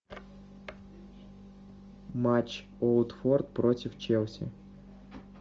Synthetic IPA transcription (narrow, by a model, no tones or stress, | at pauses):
mat͡ɕ | olˠd̪fɔrt̪̚pɾotʲɪft͡ʃɛlˠsʲɪ̰